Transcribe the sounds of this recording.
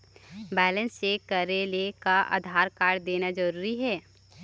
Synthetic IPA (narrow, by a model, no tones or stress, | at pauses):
bɛːlə̃nsekəɾelekaʔa̰ːd̪ʱaːɾkaːɾɽd̪eːnad͡ʒɐɾuːɾiɦɛː